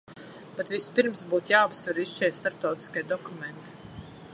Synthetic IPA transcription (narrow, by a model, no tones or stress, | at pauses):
b̥ɛt̪vʲispiɾmsbuːt̪jaːapsvaɾiʃt͡ʃɛst̪aɾp̚t̪awt̪i̥skʲiɛd̪ɔkument̪i̥